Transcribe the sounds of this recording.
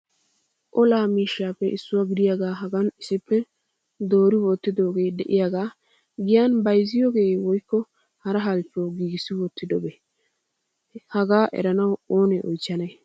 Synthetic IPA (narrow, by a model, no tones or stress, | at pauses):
ʔɔlaːmiːʃaːpːɛʔɪsːʊwaɡɪd̪ɪjaɡaːɦɐɡɐnɪsɪpːɛ | d̪oːɾɪwɔt̪ːɪd̪oːɡe̞ːd̪ɛʔɪjaɡaː | ɡɪjanbɐjzɪjoːɡe̞ːwɔjkːɔ | hɐɾɐɦɐlt͡ʃːɔwɡiːɡɪsːɪwɔt̪ːɪd̪ɔbɛ | hɐɡaːʔɛ̰ɾɐnɐwoːnɛʔɔ̰jt͡ʃːɐnɐj